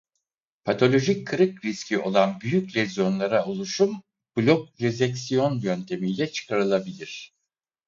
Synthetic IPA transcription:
pʰat̪ʰo̞lʲo̞ʒic̚ʰːɯɾɯkɾiscʰʲiʔo̞lˠanbyjycʲlʲezjo̞nlˠaɾaolˠuʃum | b̥lʲok̚ɾezɛksijo̞njønt̪ʰe̞mijlʲɛt͡ʃʰɯ̥kʰaɾɯlˠabilʲiɾ̝̥

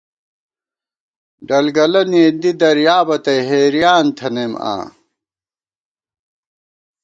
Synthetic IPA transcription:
ɖɐlɡɐlɐneːd̪id̪ɐɾjaːbɐt̪ɐjɦeːɾijaːnt̪ʰɐnema̰ː

